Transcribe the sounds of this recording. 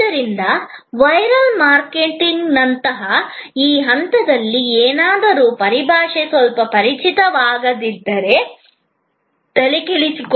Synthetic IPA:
ɐɾind̪ɐʋɐjɾɐlmaːɾkeʈiŋɡnɐnt̪ɐɦɐiːɦɐnt̪ɐd̪ɐlːieːnaːd̪ɐɾuːpɐɾibʱaːʂesʋɐlpɐpɐɾit͡ʃʰit̪ɐʋaːɡɐd̪id̪ːɐɾe̞ | t̪ɐlikelisik

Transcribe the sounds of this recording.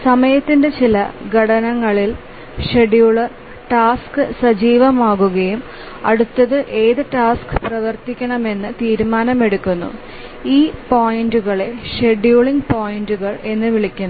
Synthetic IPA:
sɐmɐjɐt̪ːinde̞t͡ɕilɐ̰ɡʱɐɽɐnɐŋːɐɭil | ʂe̞ɖjuːɭɨ | ʈaːskɨsɐd͡ʑiːʋɐmaːɣuɣɐjum | ɐɽut̪ːɐðɨʔe̞ːðɨʈaːskɨ̥prɐʋɐrt̪ikʲːɐɳɐme̞nːɨt̪iːɾumaːnɐme̞ɽukʲːunːṵ | iːpoːjinduɣɐɭeʂe̞ɖjuːɭiŋɡpoːjinduɣɐɭe̞nːɨʋiɭikʲːunː

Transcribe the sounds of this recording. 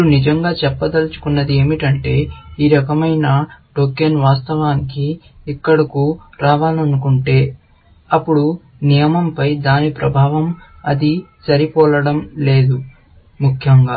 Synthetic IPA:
unid͡ʒɐŋɡaːt͡ʃɛpːɐd̪ɐlɐt͡ʃu̥kunːɐd̪ie̞ːmiʈɐɳʈe̞ːiːɾɐkɐmɐjnɐʈoːkenʋaːst̪ɐʋaːnikiː | kːɐɽɐkuɾaːʋaːlɐnukuɳʈe̞ː | ɐpːuɽu | nijɐmɐmpɐjd̪aːnipɾɐbʱaːʋɐm | ɐ̰d̪isɐɾipɔːlɐɽɐmle̞ːd̪u | mukʰjɐŋɡaː

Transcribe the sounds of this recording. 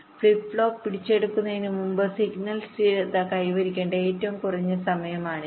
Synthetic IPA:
fɭipːɭo̞ːpːiɽit͡ɕːe̞ɽukːunːɐðinɨmumbɨsiɡnɐlsʈiːɾet̪ːakːɐjʋɐɾikʲːeːɳɖɐe̞ːtːɐʋɐmkurɐɲːɐsɐmɐjɐmaːɳɨ

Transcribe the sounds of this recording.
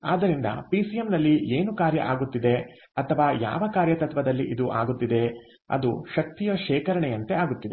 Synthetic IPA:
a̰ːd̪ɐɾind̪ɐ̰pisijemnɐlːiʔeːnukaːɾjɐ̰ʔaːɡut̪ːid̪e̞ | ɐt̪ʰɐʋaːja̰ːʋɐkaːɾjɐt̪ɐt̪ʋɐd̪ɐlːiʔid̪uʔa̰ːɡut̪ːid̪e̞ | ɐ̰d̪uʃɐk̚t̪ijɐʃɛːkɐɾɐɳejɐnt̪eaːɡut̪ːid̪e

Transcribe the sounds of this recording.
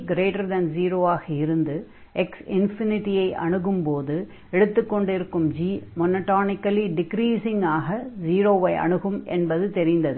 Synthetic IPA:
ɡɾeːʈɐɾd̪ɐnziːɾoːaːɣɐɪɾɯnd̪ɯ | ʔɛksɪnfɪnɪʈːɪjɐɪʔɐ̰ɳɯɣɯmpoːðɯ | ɛɽɯt̪ːɯkːɔɳɖɪɾɯkːɯmd͡ʒiːmɔnɐʈːoːnɪkːɐliɖɪkɾiːsɪŋaːɣɐziːɾoːʋɐɪʔɐ̰ɳɯɣɯmʔɛ̰nbɐðɯt̪ɛɾɪnd̪ɐðɯ

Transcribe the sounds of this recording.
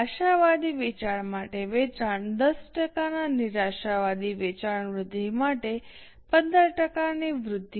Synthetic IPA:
aʃaʋad̪iʋet͡ʃaɭmaʈeʋet͡ʃaɳd̪əsʈəkananiɾaʃaʋad̪iʋet͡ʃaɳʋɾʊd̪ʱːimaʈe | pənd̪əɾʈəkaniʋɾʊd̪ʱːi

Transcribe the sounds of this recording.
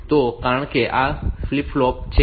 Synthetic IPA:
t̪okaɳ̃keʔaflipʰlɔːp̚t͡ʃʰe

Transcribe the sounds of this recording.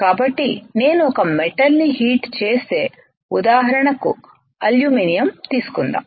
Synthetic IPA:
kaːbɐʈːine̞ːnuɔkɐmeʈɐlniɦiːʈt͡ʃeːse̞ː | ud̪aːɦɐɾɐɳɐku | ɐljuːmiːnijɐmt̪iːsu̥kund̪a̰

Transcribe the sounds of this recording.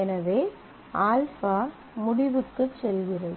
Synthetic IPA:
ɛnɐʋeː | aːlfaː | mʊɽɪʋɯkːɯsɛlɡɪrɐ

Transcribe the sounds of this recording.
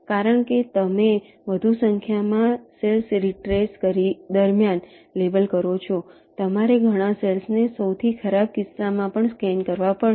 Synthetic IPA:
kaɾəɳket̪əme | ʋəd̪ʱusəŋkʰjamãselsɾiʈɾeskəɾid̪əɾmjan | lebəlkəɾot͡ʃʰo | t̪əmaɾeɡʱəɽ̃ãselsnesəwt̪ʰikʰəɾab̚kɪsːamãpəɳskɛnkəɾʋapəɭ

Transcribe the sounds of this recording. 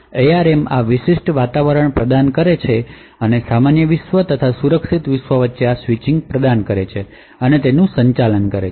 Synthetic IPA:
eaɾemaʋɪʃɪʃʈʋat̪aʋəɾəɳpɾəd̪ankəɾet͡ʃʰe | ənesamanjəʋɪʃʋət̪ət̪ʰasuɾəkʃit̪ʋɪʃʋəʋət̪ːʃeasʋit͡ʃiŋɡ̚pɾəd̪ankəɾet͡ʃʰe | ənet̪enũsəɲt͡ʃalənkəɾe

